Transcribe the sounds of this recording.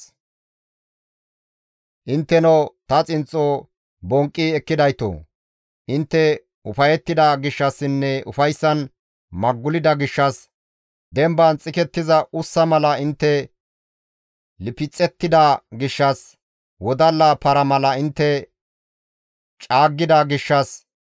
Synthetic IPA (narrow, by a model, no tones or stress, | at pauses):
ʔɪnt̪ːɛnot̪ɐt͡sʼɪnt͡sʼːoː | bɔŋkʼːiɛkːɪd̪ɐjt̪o̰ː | ʔɪnt̪ːɛ | ʊfɐjɛt̪ːɪd̪ɐɡɪʃːɐsːɪnːɛʊfɐjsːɐn | mɐɡːʊlɪd̪ɐɡɪʃːɐs | d̪ɛmbɐnt͡sʼɪkɛt̪ːɪzɐʊsːɐmɐlɐɪnt̪ːɛ | lɪpɪt͡sʼːɛt̪ːɪd̪ɐɡɪʃːɐs | wɔd̪ɐlːɐpɐɾɐmɐlɐɪnt̪ːɛ | t͡ʃʼaːɡːɪd̪ɐɡɪʃːɐs